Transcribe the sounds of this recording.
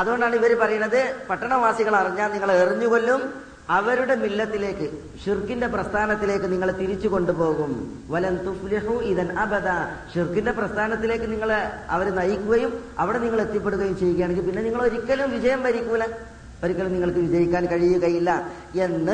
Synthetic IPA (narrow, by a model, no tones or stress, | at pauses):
ɐðuɣo̞ɳɖaːɳɨiʋɐɾepɐrɐjuɳːɐðɨpɐʈːɐɳɐʋaːsiɣɐɭɐriɲːaːlniŋːɐɭeriɲːuɣolːum | ɐʋɐɾuɽe̞milːɐt̪ːile̞ːkːɨ | ʂirkːinde̞prɐst̪ʰaːnɐt̪ːile̞ːkːɨniŋːɐɭt̪iɾit͡ɕːuko̞ɳɖupo̞ːɣum | ʋɐlɐmt̪ufliħuiðɐnʔɐbɐd̪aːʂirkːinde̞prɐst̪ʰaːnɐt̪ːile̞ːkːɨniŋːɐɭɐ̰ʋɐɾnɐjikʲːuɣɐjumɐʋiɽe̞niŋːɐɭe̞t̪ːjɐp̬ːeɽuɣɐjumt͡ɕe̞jːukːɐjaːɳeŋɡilpinːe̞niŋːɐɭo̞ɾikʲːɐlumʋiɕɐjɐmʋɐɾikʲːuɐlɐ | oɾikːɐlumniŋːɐɭkɨʋid͡ʑɐɾikʲːaːnkɐɻijuɣɐjilːɐ | e̞nːɨ